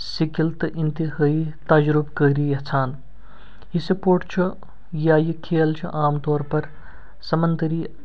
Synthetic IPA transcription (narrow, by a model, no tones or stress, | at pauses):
sikilt̪int̪iɦəːit̪ɐd͡ʒɾubkəːɾijɐt͡sʰaːn | ɦisipoːʈt͡ʃʰu | jaːjikʰeːlt͡ʃʰuʔaːmt̪ɔːɾpɐɾ | sɐmɐnt̪ɾiː